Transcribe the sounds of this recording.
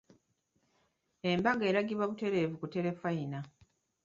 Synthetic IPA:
embaŋɡe̞ːɾaɡiβwaβute̞ɾe̞ːvukute̞ɾe̞faina

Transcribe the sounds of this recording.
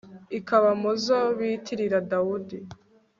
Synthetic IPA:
ikaβamozoβiːtʰiɾiɾadaudi

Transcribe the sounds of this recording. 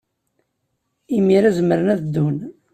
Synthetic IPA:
imiɾæzəməɾənæðd̪ːun

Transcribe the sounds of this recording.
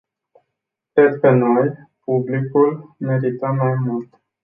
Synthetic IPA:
kɾed̪kəno̞jpublikulme̞ɾit̪əmːajmult̪

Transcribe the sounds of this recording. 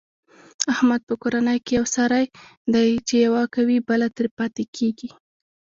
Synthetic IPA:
ahmad̪̚pəkoɾanəjkejawsaɾajd̪ajt͡ʃejawɑkawibəlat̪ɾpɑt̪ekʰeɡi

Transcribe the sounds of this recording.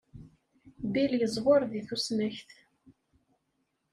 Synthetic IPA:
biljəzˤvoɾˤðiθusnəçθ

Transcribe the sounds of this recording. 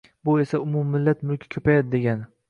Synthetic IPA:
bʊe̞saʊmumːɪlːat̪mʊlkʲʰɪ̥kʲʰɵpʰajad̪ɪd̪e̞ɡʲan

